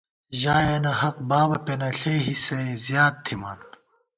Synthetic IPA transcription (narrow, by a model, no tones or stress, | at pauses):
ʑaːjenɐɦɐq̚baːbɐpenɐɬeɦisezjaːd̪̚t̪ʰːimaːn